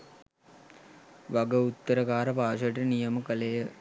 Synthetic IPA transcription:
ʋaɡəut̪ːəɾəkaːɾəpaːʃəʈɐnijəməkəlejə

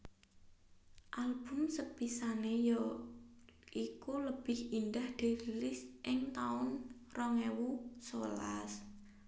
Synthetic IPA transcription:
ʔalb̥ʊ̤msəb̥isanejɔ | ʔikuləb̥ɪhind̪ahd̪̥e̤ɾilɪsʔɪŋt̪aʊn | rɔŋɛwusola̰s

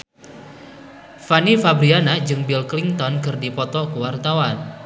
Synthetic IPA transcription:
fanifabɾianad͡ʒɨŋbilkliŋt̪ɔnkɨrdipɔt̪ɔkəwart̪awan

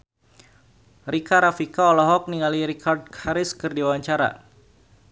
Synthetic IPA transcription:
rikaɾafikaɔlɔɦɔk̚niŋaliɾikʰard̚kʰaɾɪskɨrdiwaɲt͡ʃaɾa̰

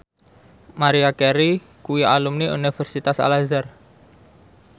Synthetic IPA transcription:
maɾiakɛɾi | kuwialumniṵnifɛrsit̪asa̰lazar

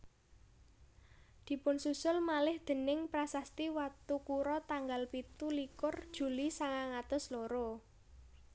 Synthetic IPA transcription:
d̪̥i̤pʊnsusʊlmalɪhd̪̥ə̤nɪŋpɾasast̪iwat̪ukuɾɔt̪aŋɡalpit̪ulikʊrd̥ʒ̥ṳlisaŋaŋat̪ʊsloɾo

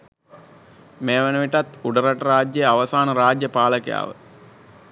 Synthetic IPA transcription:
meːʋenəʋiʈat̪uɖəɾaʈəɾaːd͡ʒjejaʋəsaːnəɾaːd͡ʒjəpaːləkeja̰ːʋə̰

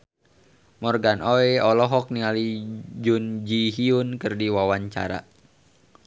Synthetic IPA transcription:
mɔrɡanoeɔlɔɦɔk̚niŋalid͡ʒund͡ʒiɦiunkɨrdiwawaɲt͡ʃa̰ɾa̰

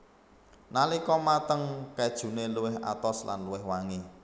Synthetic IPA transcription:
nalikɔmat̪əŋkɛd̥ʒ̥ṳneluwɪɦʔa̰t̪ɔsla̰nluwɪhwaŋi

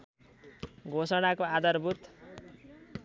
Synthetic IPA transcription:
ɡʱosʌɽakoad̪ʌrbʱut̪

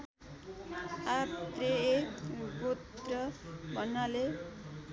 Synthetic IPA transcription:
at̪reekɡot̪rʌbʱʌnːale

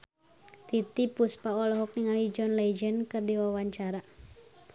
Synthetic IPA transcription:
t̪it̪ipuspaɔlɔɦɔk̚niŋalid͡ʒɔnlɛd͡ʒənkɨrdiwawaɲt͡ʃaɾa

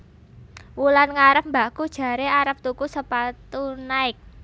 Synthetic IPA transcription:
wulanŋaɾəp̚mbakud̥ʒ̥ä̤ɾeaɾəp̚t̪ukusəpat̪unaɪk̚

